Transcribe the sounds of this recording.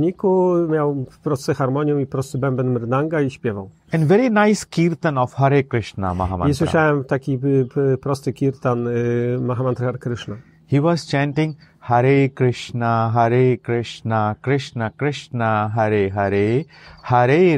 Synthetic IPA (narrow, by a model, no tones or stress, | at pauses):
ɲikumʲjawpɾɔst̪sɛxaɾmɔɲjɔ̃wipɾɔst̪ɨbɛmbɛnmɛɾd̪aŋɡaiɕpʲjɛvaw | ɛ̃nʋɛɾinaɪskʲiɾt̪ãnɔfhaɾekɾɪʂna̰ma̰ɦa̰ma̰iswɪʂawɛmt̪akʲipɾɔst̪ɨkʲiɾt̪anmaɦamant̪ɾaxaɾkɾɪʂna | hiːʋɔːzt͡ʃãnʈɪ̃ŋ | haɾekɾɪʂnaɦaɾekɾɪʂnakɾɪʂnakɾɪʂnaɦaɾeɦaɾe | haɾe